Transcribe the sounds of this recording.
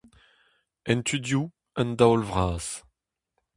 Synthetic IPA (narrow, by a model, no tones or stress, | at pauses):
ɛ̃nt̪ʰyd̪ju | ənd̪awlvʁaːs